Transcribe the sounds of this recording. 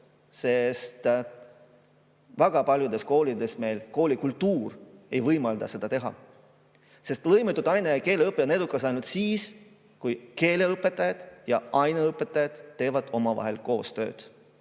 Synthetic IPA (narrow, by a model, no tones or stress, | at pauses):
se̞st̪ | væɡ̥ɑpɑlʲjud̪̥e̞sko̞ːlid̪e̞sme̞ːlko̞ːlʲikult̪ːuːre̞jvɤjmɑld̪̥ɑ̰se̞d̪̥ɑt̪e̞ɦɑ̰ | se̞st̪lɤjmet̪ːˑud̪̥ɑjneɑke̞ːleɤpːˑene̞d̪ukːˑɑs̬ɑjnult̪siːs | kujke̞ːle̞ɤpːˑe̞t̪ːˑɑjɑd̪̥jɑɑjneɤpːˑe̞t̪ːˑɑjɑd̪̥ːe̞ːvɑd̪̥o̞mɑvɑ̰ɦe̞̰lko̞ːst̪ø̰ːd̪̥